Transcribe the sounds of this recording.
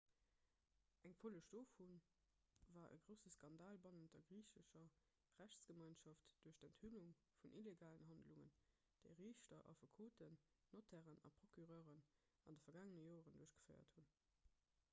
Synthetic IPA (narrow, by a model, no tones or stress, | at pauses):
ʔæŋfoləʃd̥oːfun | vaːʔə̰ɡʁəʊsəskɑndaːlbɑnəndɐɡʁiːɕəʃɐ | ʁæɕt͡ssɡ̥əmɑɪnʃɑftd̥uːɐɕdænthuluŋ | funʔileɡaːlənɦɑndluŋə̰n | d̥eɪʁiːɕtɐʔɑ̰fukʰoːtʰənː | otʰæʁənɑ̰pʁ̥okyʁœːʁən | ɑndəfɐɡaːŋənəjoːʁənduːɐɕɡ̥ə̥fəɪɐ̰thun